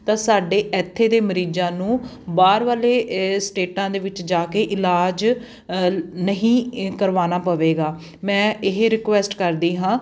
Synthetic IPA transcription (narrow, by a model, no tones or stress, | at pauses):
t̪ãːsaːɖeːʔɛːt̪ʰːeːd̪eːməɾiːd͡ʒãːnũː | baːɾʋaːleːsʈeːʈãːd̪eːʋɪt͡ʃd͡ʒaːkeːʔɪlaːd͡ʒ | nəɦĩːkəɾʋaːnaːpəʋeːɡaː | mɛ̃ːɪɦɾɪkʋɛːsʈkəɾd̪iːɦãː